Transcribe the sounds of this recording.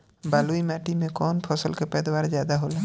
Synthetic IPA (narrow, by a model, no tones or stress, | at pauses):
baːluimaːʈimẽkɔːnpʰɔːsə̰lkepɛːd̪waːɾzjaːd̪aɦoːleː